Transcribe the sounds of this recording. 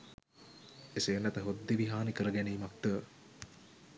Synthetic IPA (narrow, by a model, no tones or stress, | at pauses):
esenːæt̪əɦod̪ːiʋiɦaːnikəɾəɡæneːmak̚t̪ə